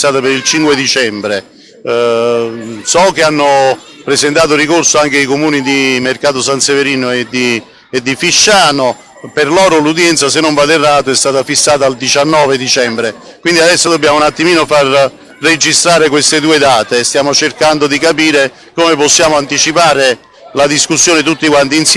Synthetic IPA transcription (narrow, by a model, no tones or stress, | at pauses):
st̪aːt̪apeɾilt͡ʃiŋkwed̪it͡ʃɛmbɾe | sɔk̟ːeanːʊ | pɾezent̪aːt̪̬ʊrikorsoaŋk̟eikomuːnid̪imerkaːt̪ʊsant̪seveɾiːnoed̪i | ed̪ːifiʃːaːno | perlɔːɾʊlud̪jɛnt̪sas̬enːoɱvalerːaːt̪oɛst̪aːt̪afisːaːt̪aːld̪it͡ʃanːɔːved̪it͡ʃɛmbɾe | kwind̪iad̪ɛsːod̪obːjaːmounat̪ːimiːnofarː | ed͡ʒist̪ɾaːɾekwest̪ɪd̪uːed̪aːt̪est̪jaːmot͡ʃerkand̪ʊd̪ikapiːɾe | komeposːjaːmoant̪it͡ʃipaːɾe | lad̪iskusːjoːnɪt̪̬ut̪ːikwant̪ins